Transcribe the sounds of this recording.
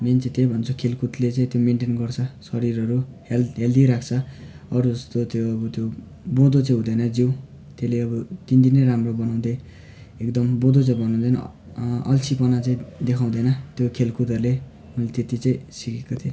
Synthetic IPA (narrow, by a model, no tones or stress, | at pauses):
ment͡saĩt̪ejbʱʌnt͡sʰukʰelkut̪let͡saĩt̪jomeɳʈenɡʌrt͡sʰʌsʌɾiɾʌɾuɦelɦeld̪iɾakʰt͡sʰʌ | ʌɾud͡zʌst̪ot̪joʌbʌt̪jo | bõd̪ot͡saĩɦũd̪ʌjnʌd͡ziw | t̪eleʌbʌt̪ind̪inʌjɾamrobʌnaw̃d̪ʌj | ekd̪ʌmbõd̪ot͡saĩbʱʌnũd̪ʌjnʌ̰ | ʌ̰lt͡sʰipʌnat͡saĩd̪ekʰaw̃d̪ʌjnʌt̪jokʰelkut̪ʌɾle | unlet̪et̪it͡sãĩsikekot̪ʰjo